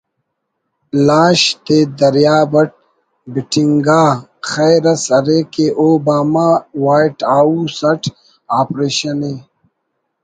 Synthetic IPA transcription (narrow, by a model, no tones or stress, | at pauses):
lãːɕt̪eːd̪ɐɾjaːbɐʈ̚ | biʈʰiŋɡaːxɐjɾɐsɐɾeːkeʔoːbaːmawaːiʈaːusɐʈʰ | aːpɾeːɕɐneː